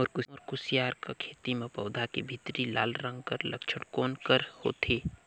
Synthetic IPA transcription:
ɔːɾkʊɔɾkʊsjaːɾkakʰeːt̪imẽpɐʊd̪ʱakebʱit̪ɾilaːlɾə̃ŋɡkəɾlɐ̰kt͡ʃʰəɽkoːnkəɾho̰ːt̪ʰeː

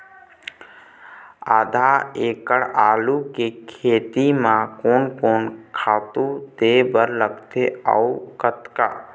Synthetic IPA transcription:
a̰ːd̪ʱaeːkəɽaːlukekʰeːt̪imãkoːnkoːnkʰaːt̪ud̪ebəɾləɡt̪eə̰ukət̪ka

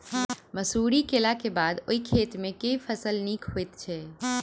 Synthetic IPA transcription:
məsuɾikelakebad̪oikʰet̪mẽkeipʰəsəlnikɦojt̪t͡ʃʰɛ

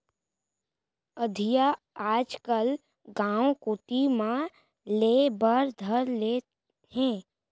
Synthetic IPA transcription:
əd̪ʱija | aːd͡ʒkəl | ɡãːwõkʊːt̪imã | leːbəɾd̪ʱəɾleː | hɛ̃ː

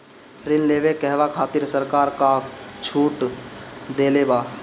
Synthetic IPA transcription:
pʰɾɪnleʋekɛɦʋakʰaːt̪ɪɾsəɾkaːɾkat͡ʃʰuːʈ | d̪eːlebaː

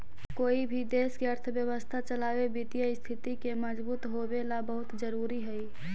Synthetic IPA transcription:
koːibʱid̪eːskeəɾt̪ʰəʋjəwəst̪ʰat͡ʃəlaːwebit̪ijaist̪ʰɪt̪ikeməd͡ʒbuːt̪ɦobelabəɦʊt̪d͡ʒəɾuːɾiɦɛi

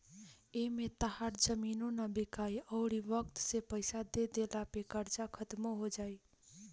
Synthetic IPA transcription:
emet̪əɦaɾd͡ʒəminonabikajəʊɾibəkt̪sepəɪsad̪ed̪elapekəɾt͡ʃakʰət̪moɦod͡ʒaj

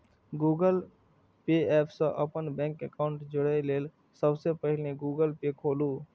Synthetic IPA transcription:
ɡuːɡəl | peɛːpʰsə̃ʔəpənbɛ̃ːŋkəkaːʊɳʈd͡ʒʊɽeleːl | səbsepəɦɪleɡuːɡəlpekʰoːluː

